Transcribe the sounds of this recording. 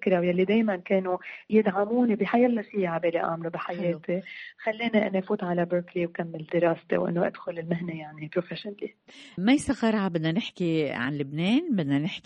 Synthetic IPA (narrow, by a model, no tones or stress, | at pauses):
kɾawjalːid̪eːjmankeːnujɪd̪ʕamuːnibiħajalːafiːaʕabeːliʔa̰ːmlubiħajeːt̪ixalːiːniʔɪ̰nːafuːt̪ʕalabəːɾkliwkamːɪld̪ɪɾɑːst̪ḛwʔɪ̰nːoʔa̰d̪̥xʊlɪlmɪɦnejaʕnipɾofeʃnlimajsaɣɑɾˤʕabɪd̪nanɪħkiʕa̰nlɪbneːnbɪd̪nanɪħk